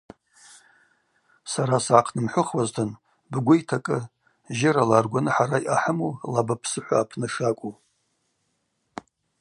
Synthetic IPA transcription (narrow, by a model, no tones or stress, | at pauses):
saɾasaʕaqʰnɨmħʷʊχwaztʰɨn | bɡʷʊjtʰakʼɨ | ʒɪɾalarɡʷanɨħaɾajʔaħəmolabapʰsɨħʷa̰ːpʰnɨʂakʷʼu